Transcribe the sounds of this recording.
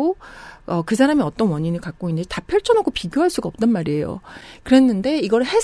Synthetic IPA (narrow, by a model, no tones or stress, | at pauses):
oʌkɯs̬ʰaɾamiʌt͈ʌnwʌɲinɯɭkak̚k͈oinːɯd͡ʑi̥tapʰjʌɭt͡ɕʰʌnɦakʰopiɡjoɦaɭs͈uɡaʌp̚t͈ʌnmaɾie̞jo̰kɯɾe̞nːɯnde̞iɡʌɾɯɭhe̞s